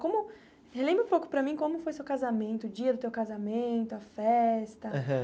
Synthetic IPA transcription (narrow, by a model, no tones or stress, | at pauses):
kõmʊ | helẽmbɾũpowkʊ̥pɾɐmĩkõmʊfojsewkazamẽnt̪ʊːd͡ʒiɐd̪ʊt̪ewkazamẽnt̪ʊɐfɛst̪ɐɦ